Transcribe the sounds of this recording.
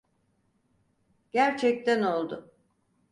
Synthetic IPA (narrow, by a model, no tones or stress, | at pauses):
ɟ̥æɾt͡ʃʰɛc̚t̪ʰæno̞lˠd̪ʊ